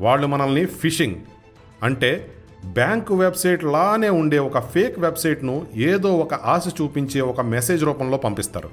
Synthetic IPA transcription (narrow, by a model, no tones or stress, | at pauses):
ʋaːɭːumɐnɐlnipʰiʂiŋɡ | ɐɳʈe̞ː | bjaːŋkuʋebsɐjʈlaːne̞ːuɳɖe̞ːɔkɐpʰeːkʋebsɐjʈnueːd̪o̞ːɔkɐʔaːsɐt͡ʃuːpiɲt͡ʃe̞ːɔkɐmese̞ːd͡ʒɾuːpɐmlo̞ːpɐmpist̪a̰ːɾṵ